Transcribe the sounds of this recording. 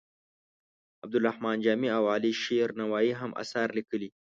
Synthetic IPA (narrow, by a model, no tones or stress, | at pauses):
ab̚d̪ʊlɾahmɑːnd͡ʒamiawaliʃeɾnawaːiɦamʔa̰saɾlikəli